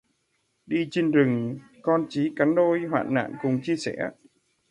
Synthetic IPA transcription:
ɗi˧t͡ɕi˧nzɨ˨˩ŋ | kɔ˧nt͡ɕi˨˦ka˨˦nɗo˧jɦwa̰ː˧˨nna̰ː˧˨nkʊ˨˩ŋ͡mt͡ɕi˧əsɛ˧˩

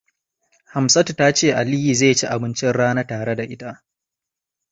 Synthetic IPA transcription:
ha˨msɐ˦tu˨ta˦t͡ʃeː˦˨ʔa˨liː˦ji˨ze˦˨t͡ʃi˦ʔa˨bɪ˦nt͡ʃɪ˦nɽaː˦na˦taː˨ɽe˦da˨ʔɪ˦ta˦ʔ

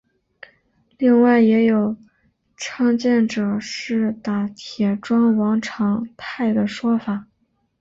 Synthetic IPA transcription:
li˥˧ŋwa˥˩ɪjɛ˧˥jo˨˩ʊ | ʈ͡ʂʰɑ˥˧ŋt͡ɕjɛ˥˩nʈ͡ʂɤ˨˩ʂɻ̩˥˩t̪a˨˩t̪ʰjɛ˨˩ʈ͡ʂwɑ˥ŋwɑ˧˥ŋʈ͡ʂʰɑ˧˥ŋt̪ʰa˥˩ɪd̪ə˩ʂwɔ˥fa˨˩˦

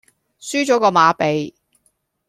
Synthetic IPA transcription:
syː˥t͡ʃɔː˨˥kɔː˧maː˨˧˥pe˨j

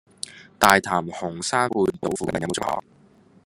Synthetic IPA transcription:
t̪aː˨jt̪ʰaː˨˩mhʊ˨˩ŋsaː˥ŋwuː˧nt̪o˨˥wfuː˨˧kːn˥˧˥m̰˨˥˨ɔ̰ː˨˧˥

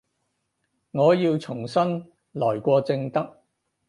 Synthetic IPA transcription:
ŋɔː˨˧jiː˧wt͡sʰʊ˨˩ŋsɐ˥n | lɔː˨˩jkʷɔː˧t͡sɪ˧ŋt̪ɐ˥k̚

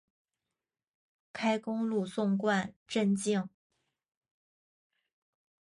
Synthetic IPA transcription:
kʰa˥ɪkʊ˥ŋlu˥˧sʊ˥˧ŋkwa˥˧nʈ͡ʂə˥˧nt͡ɕi˥˩ŋ

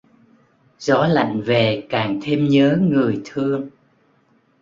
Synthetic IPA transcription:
zɔ˨˦la̰˧˨jŋ̟ve˨˩kaː˨˩ŋt̪ʰe˧mɲəː˨˦ŋɨ˨˩əjt̪ʰɨ˧əŋ

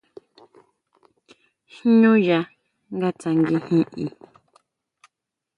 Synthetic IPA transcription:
hɲõ˦ja˧ | ŋɡa˦t͡sa˨ŋɡi˧hĩ˦ʔi˨

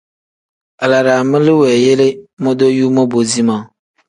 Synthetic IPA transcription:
a˨la˨ɾa˨mɪ̃˦lɪ˦wɛ˨je˦le˦mɔ̃˦d̪o˦ju˦mɔ˦bo˨zi˦mã˨

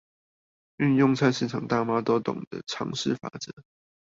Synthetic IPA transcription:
y˥˧njʊ˥˧ŋt͡sʰa˥˧nʂɻ̩˥˩ʈ͡ʂʰɑ˨˩ŋt̪a˥˩ma˥t̪wɔ˥t̪ʊ̰˨˩ŋd̪ə̰˦ʈ͡ʂʰɑ̰˧˥ŋʂɻ̩˥˩fa̰˨˩˦t͡sɤ˨˧˦

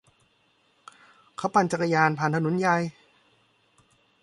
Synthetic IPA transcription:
kʰa˦˥wpa˧nt͡ɕa˧kːa˧jaː˧npʰa˨˧nt̪ʰnu˩˦nja˧j

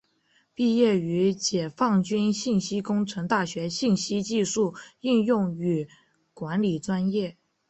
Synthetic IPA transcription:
pi˥˧jɛ˥˩y˧˥t͡ɕjɛ˨˩fɑ˥˩ŋt͡ɕy˥nɕi˥˩nɕi˥kʊ˥ŋʈ͡ʂʰɤ˧˥ŋt̪a˥˩ɕɥɛ˧˥ɕi˥˩nɕi˥t͡ɕi˥˧ʂu˥˩y˥˧njʊ˥˩ŋy˨˩ | kwa˧˥nli˨˩ʈ͡ʂwa˥njɛ˥˩

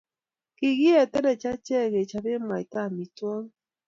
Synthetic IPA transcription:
ki˨ɣi˦ɛ˨tɛ˦nɛ˨t͡ʃa˦t͡ʃɛ˦˨ɣe˨t͡ʃa˨be˦ma˨i˨ta˦˨mi˨twɔ˦ŋ˦

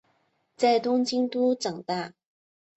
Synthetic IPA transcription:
t͡sa˥˩jt̪ʊ˥ŋt͡ɕi˥ŋt̪uː˥t͡sɤ˨˩ŋt̪a˥˧˩

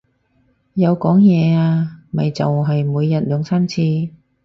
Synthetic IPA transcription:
jɐ˨˧wkɔː˨˥ŋjɛː˨˧aː˧mɐ˨jt͡sɐ̰˨wɦɐ˨jmuː˨˧jːɐ˨t̚lœː˨˧ŋsaː˥nt͡sʰiː˧

